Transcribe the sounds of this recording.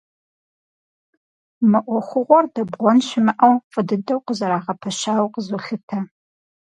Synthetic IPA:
mɨʔʷɔχʷʊʁʷɔrdɐbʁʷɔnʃɪmɨʔɐwfʼɨdɨdɐwqəzɐɾaːʁɐpʰɐʃaːwqəzuɬɨtʰɐ

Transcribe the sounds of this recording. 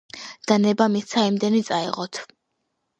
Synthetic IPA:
d̪̥anɛbamist̪sʰaimd̪ɛnit̪sʼaḭʁɔt̪ʰ

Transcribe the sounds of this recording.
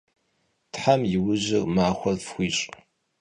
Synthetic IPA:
tħamjɪwʊʑɪrmaːxʷɔrfxʷiːɕʼ

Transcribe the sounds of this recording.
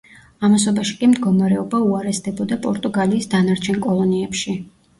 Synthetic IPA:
amas̬ɔbaʃi̥kʼimd̪ɡɔmaɾɛɔbauaɾɛsd̪ɛbɔd̪apʼɔɾt̪ʼuɡaliːsd̪anaɾt͡ʃʰɛnkʼɔlˠɔniɛpʃi

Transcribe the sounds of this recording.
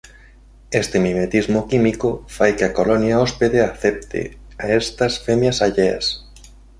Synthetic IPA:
est̪emimet̪izmokimikofajkeakolonjaɔspeðeaθɛp̚t̪ḛ | aest̪ɐsfemjasaʎea̰s

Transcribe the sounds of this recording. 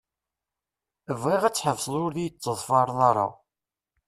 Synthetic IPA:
əvːiʁæt͡sːħəvsˤəlʊɾðijət͡sːəðˤfɑɾˤnɑɾˤɑ̰

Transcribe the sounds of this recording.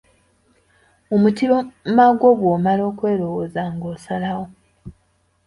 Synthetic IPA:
omutiβomaɡo̞βwoːmalo̞ːkwe̞ːɾo̞wozaŋɡoːsalawo

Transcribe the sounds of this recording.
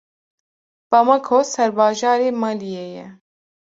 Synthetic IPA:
b̥amakʰoːsɛɾbɑːʒɑːɾeːmɑːlijeːjɛ

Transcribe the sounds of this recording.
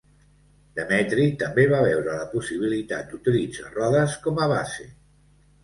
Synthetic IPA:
d̪̥əmɛt̪ɾik̚t̪əmbeβaβɛwɾələpusiβ̞ilit̪at̪̚d̪ut̪ilid͡za̰rɔðəskɔməβase

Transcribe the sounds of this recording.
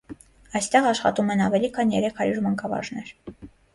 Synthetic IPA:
ɑjst̪ɛʁɑʃχɑ̰t̪umɛnɑvɛlikʰɑnjɛɾɛkʰhɑɾjuɾmɑŋkɑvɑ̰ʒnɛɾ

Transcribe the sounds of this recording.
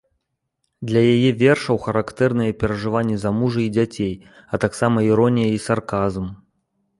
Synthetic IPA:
d̪lʲɐjajɛvʲɛrʂɐwxɐɾakt̪ɛrnɨjɐpʲɛɾɐʐɨvanʲːɛzamuʐɨid͡zʲat͡sʲej | ɐt̪aksamɐiɾɔnʲijɐisarkazm

